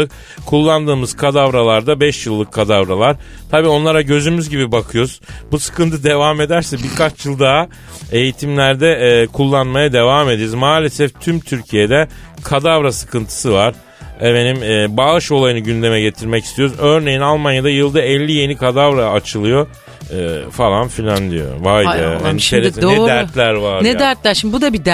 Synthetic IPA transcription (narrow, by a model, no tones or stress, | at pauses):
ɯk | kʰulˠːand̪ɯːmɯz̥kʰad̪avɾalˠaɾd̪abɛʃjɯlˠːɯkʰːad̪avɾalˠaɾ̥ | t̪ʰabiːo̞nlˠaɾaɟø̞zymyzɟibibakʰɯjoɾuz̥busɯ̥kɯnt̪ʰɯd̪e̞vame̞d̪æɾsɛbiɾkat͡ʃjɯlˠd̪aɦa | e̞jit̪ʰimlʲæɾd̪ɛkʰulˠːanmajad̪e̞vaːme̞d̪eɾzmaːlʲe̞sɛft̪ʰymt̪ʰyɾcʰije̞d̪ɛ | kʰad̪avɾasɯ̥kɯnt̪ʰɯ̥sɯvaɾ̥ | eme̞nimːbaːɯʃo̞lˠajɯnɯɟynd̪e̞mɛɟe̞t̪ʰiɾmɛcist̪ijo̞ɾuzø̞ɾne̞jinalˠmanjad̪ajɯlˠd̪aɛlʲːije̞nikʰad̪avɾaːt͡ʃʰɯlˠɯjo̞ː | falˠanfilʲːand̪ijo̰vajḭnʃeɾoɛdd̪æɾt̪lʲæɾvanɛd̪æɾt̪lʲæɾʃimibud̪abid̪